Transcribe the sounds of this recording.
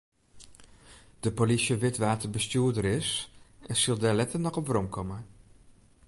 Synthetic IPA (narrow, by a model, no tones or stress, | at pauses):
d̥əpolisjəʋɪtʋaːtəbəstyːɹdəɾɪsɛsəlˠdɛlɛtənɔχɔpvrɔmkʰɔmə